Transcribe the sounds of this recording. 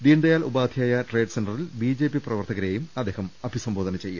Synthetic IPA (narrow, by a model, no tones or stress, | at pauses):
d̪iːnd̪ɐjaːlubaːd̪ʱjaːjɐʈreːɖsenɖrɐrilbiːd͡ʑe̞ːpiprɐʋɐrt̪ʰɐɣɐɾeːjumɐd̪ːe̞ːhɐmɐbʱisɐmbo̞ːd̪ɐnɐt͡ɕe̞jːa̰